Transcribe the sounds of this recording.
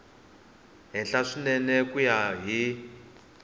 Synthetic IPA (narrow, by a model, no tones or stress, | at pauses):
ɦɛnɬaʂinɛnɛkujaɦi